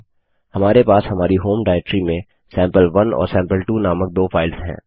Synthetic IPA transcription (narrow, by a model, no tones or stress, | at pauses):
hɐmaːɾepaːshɐmaːɾiɦoːmɖaːɛk̚ʈɾimẽ | sɛ̃ːmpəlʋɐnɔ̰ːɾsɛ̃ːmpəlʈuːnaːmək̚d̪oːfʰaːɪlsɦɛ̰̃ː